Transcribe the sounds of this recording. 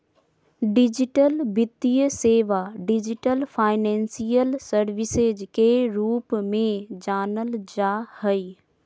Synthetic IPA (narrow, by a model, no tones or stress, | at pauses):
ɖɪd͡ʒɪʈəlbɪt̪ijəseːʋaɖɪd͡ʒɪʈəlpʰaːɪnɛ̃ːnsijəlsəɾʋɪsed͡ʒkeɾuːpmẽd͡ʒaːnəld͡ʒahəi